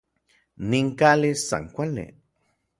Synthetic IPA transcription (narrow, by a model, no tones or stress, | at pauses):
niŋkalisa̰ŋkʷalḭ